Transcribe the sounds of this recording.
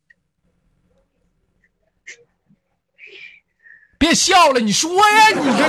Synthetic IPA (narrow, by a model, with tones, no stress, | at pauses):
pjɛ˥˧nɕjɑ˥˨ʊlə˨˩ni˨˩ʂɨ˥˧we˥ɛ˥˩ni˨˩˥